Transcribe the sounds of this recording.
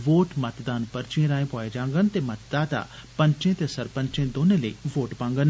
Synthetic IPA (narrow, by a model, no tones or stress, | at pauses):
ʋoːʈmɐt̪d̪aːnpəɾt͡ʃiẽɾaːẽpoːed͡ʒãːŋɡənt̪eːmɐt̪d̪aːt̪a̰ːpə̃ɲt͡ʃẽt̪esɐɾpə̃ɲt͡ʃẽd̪oːneləḭʋoːʈpãːŋɡən